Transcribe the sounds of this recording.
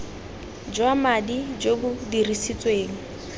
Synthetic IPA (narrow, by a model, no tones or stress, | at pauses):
d͡ʒwamadid͡ʒobʊdirisit͡sʼweːŋ̩